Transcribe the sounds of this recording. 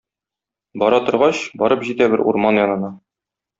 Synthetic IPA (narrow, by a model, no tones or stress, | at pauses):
bɒɾɑt̪ŏɾʁɑɕbɒɾɤpʑit̪æbɘɾʔṵɾmɑnjɒnɤ̆nɑ